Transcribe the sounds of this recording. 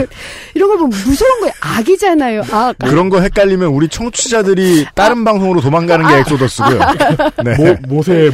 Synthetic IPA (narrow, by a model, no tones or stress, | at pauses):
iɾʌnɡʌɭbomusʰʌonɡʌaɡid͡ʑanajoakkɯɾʌnɡʌɦe̞k͈aʎːimjʌnuɾit͡ɕʰʌŋt͡ɕʰud͡ʑadɯɾit͈aɾɯnbaŋsʰoŋɯɾotomaŋɡanɯnɡeɦeks͈odʌs͈ɯɡojone̞mosʰe